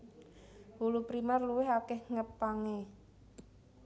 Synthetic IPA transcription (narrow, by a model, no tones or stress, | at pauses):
hulupɾimarluwɪɦakɛhŋəpaŋe